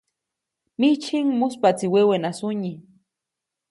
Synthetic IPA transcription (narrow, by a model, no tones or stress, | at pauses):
mit͡ʃʰiŋmʊspat͡siwewenasʊɲi